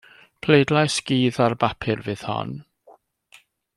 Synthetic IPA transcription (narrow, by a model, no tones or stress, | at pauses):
pʰlejdlajsɡ̥iːðarbapʰɨrvɨð̥hɔ̰n